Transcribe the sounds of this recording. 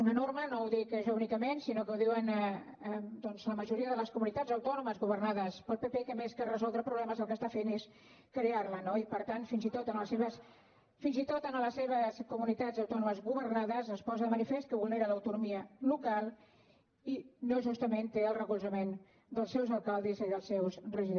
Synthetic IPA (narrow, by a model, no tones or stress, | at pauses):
unənormənowðikəʒɔunikəmensinokəwðiwən | d̪ɔnzləməʒuɾiəðələskumunit̪ad͡zəwt̪ɔnuməzɣuβ̞ərnaðəspəlˠpepekəmeskərəzɔlˠd̪ɾəpɾuβlɛməzəlˠkəst̪afenes | kɾearlənoipəɾt̪anfinzit̪ot̪ənləseβəs | finzit̪ot̪ənələseβ̞əskumunit̪azəwt̪ɔnuməzɣuβərnaðəzəspɔzəðəmənifest̪kəβulˠneɾələwt̪unumiəlukalˠ | inoʒust̪əment̪eəlˠrəkulˠzəmen | d̪əlˠsɛwzəlˠkalˠd̪iziðəlˠsɛwsrəʒi